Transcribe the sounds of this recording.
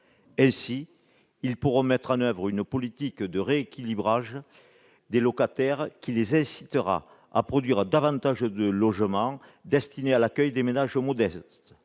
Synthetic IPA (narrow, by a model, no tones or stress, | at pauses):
ɛ̃si | ilpuʁɔ̃mɛt̪χɑ̃nœvʁynəpɔlit̪ikd̪əʁeːkʲilibʁaʒə | d̪elɔkat̪ɛʁkʲilezɛ̃si̥t̪əʁa̰ | a̰pχɔd̪ɥiʁd̪avɑ̃nt̪aʒəd̪əlɔʒəmɑ̃d̪ɛst̪inealakœjd̪emenaʒəmɔd̪ɛst̪